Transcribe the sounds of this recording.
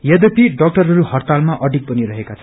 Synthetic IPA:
jʌd̪ʌpiɖʌk̚ʈʌrɦʌɾuhʌrt̪almaʔʌɖʱik̚bʌniɾʌɦekat͡sʰʌ̥

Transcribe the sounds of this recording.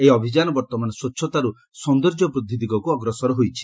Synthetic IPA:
ejɔbʱid͡ʒanɔbɔɾt̪ɔmanɔswɔtːʃʰɔt̪aɾu | sɔnd̪ɔɾd͡ʒɔpɾud̪ʱid̪ikɔkuɔɡɾɔsɔɾɔɦojt͡ʃʰi̥

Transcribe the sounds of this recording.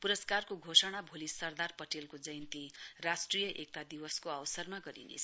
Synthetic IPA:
puɾʌskarkoɡʱosʌɽ̃abʱolisʌrd̪arpʌʈelkod͡zʌjnt̪irasʈrijʌʔek̚t̪ad̪iwʌskoʌwsʌrmaɡʌɾḭnḛt͡sʰ

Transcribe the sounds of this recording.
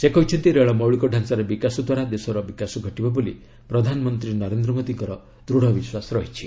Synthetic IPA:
sekɔɦit͡ʃʰɔnt̪iɾeɭɔmɔwɭikɔɖʱansaɾebikasɔd̪waɾad̪esɔɾɔbikasɔɡʱɔʈibɔboli | pɾɔd̪ʱanɔmɔnt̪ɾinɔɾend̪ɾɔmod̪iŋkɔɾɔ | d̪ɾuɽ̤ɔbiswasɔɾɔɦit͡ʃʰi

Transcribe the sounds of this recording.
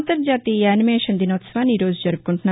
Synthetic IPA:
nt̪ɐɾd͡ʑat̪iɛnimeʃɐnd̪inɔt̪sʋaniɾod͡ʑd͡ʑɔɾb̚koɳʈʰna

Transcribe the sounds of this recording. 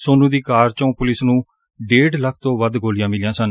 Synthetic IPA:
soːnũːd̪iːkaːɾt͡ʃõːpʊlɪsnũː | ɖeːɖləkʰt̪õːʋəd̪ɡoːlɪjãːmɪlɪjãːsən

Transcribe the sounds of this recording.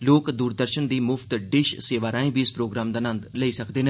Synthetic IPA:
loːkd̪uːɾd̪əɾʃənd̪iːmʊpʰt̪ɖɪʃseːʋaːɾaːĩbiːɪspɾoːɡɾaːmd̪aːnə̃nd̪ləiːsəkd̪eːnẽ

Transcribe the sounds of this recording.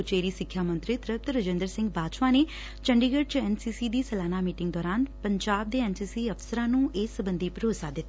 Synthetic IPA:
ʊt͡ʃeːɾisɪkʰjaːmə̃nt̪ɾit̪ɾəp̚t̪ɾəd͡ʒẽnd̪əɾsɪ̃ŋɡbaːt͡ʃʋane | t͡ʃə̃ɳɖiɡəɖ̚t͡ʃɛːnsiːsid̪iːsəlaːnamiːʈɪ̃ŋɡd̪ɔːɾaːnpəɲd͡ʒaːb̚d̪eɛnsiːsiɐfsəɾãnũːeːsəbə̃nd̪ʱipɾoːsad̪ɪt̪

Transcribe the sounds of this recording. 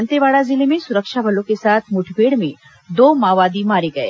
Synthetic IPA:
nt̪eʋaːɽazɪlemẽsʊɾəkʃabʱɐlõkesaːt̪ʰmʊʈʰbʱeːɽmẽ | d̪oːmaːʋaːd̪imaːɾeɡɐḛː

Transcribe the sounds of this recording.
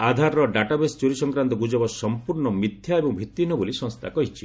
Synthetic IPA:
ad̪ʱaɾɾɔɖaʈabest͡ʃuɾisɔŋkɾant̪ɔɡud͡ʒɔbɔsɔmpuɾɳɔmit̪ʰjaebɔŋbʱit̪ːinɔbolisɔŋst̪ʰakɔɦit͡ʃʰi

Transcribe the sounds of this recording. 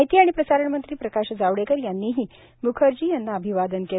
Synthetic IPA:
ɦit̪iːaɽ̃ipɾəsaɾəɳmənt̪ɾiːpɾəkaɕd͡zaʋɽekəɾjanːiːɦiː | mukʰəɾd͡ʑiːjanːaəbʱiʋad̪ənke

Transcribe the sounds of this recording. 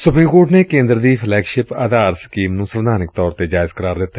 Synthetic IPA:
sʊpɾiːmkoːʈneːkẽːnd̪ɾd̪iːpʰlɛːkʃɪpa̰ːd̪aːɾskiːmnũːsəʋd̪ʱaːnɪk̚t̪ɔːɾt̪eːd͡ʒaːɪzkəɾaːɾd̪ɪt̪ːɛː

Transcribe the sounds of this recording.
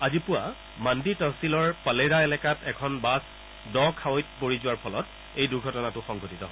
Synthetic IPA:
azipʊwa | manditɔsilɔɹpaleɹaelɛkatɛkʰɔnbas | dɔ̃kʰawojt̚poɹizʊwaɹpʰɔlɔt | ejduɡʱɔtɔnatʊxɔŋɡʱɔtitɔɦ

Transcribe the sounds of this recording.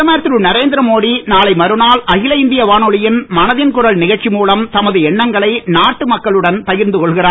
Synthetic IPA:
ɐmɐjɾɐt̪ːɪɾɯnɐɾeːnd̪ɪɾɐmoːɽinaːlɐɪmɐɾɯnaːlʔɐɣɪlɐɪnd̪ɪjɐʋaːnɔɭɪjɪnmɐnɐðɪnkʊrɐɭnɪɣɐɻt͡ʃimuːlɐmt̪ɐmɐðɯɛɳːɐŋɡɐɭɐɪnaːʈːɯmɐkːɐɭɯɽɐnpɐjɪɾnd̪ɯkɔɭɣɪraː

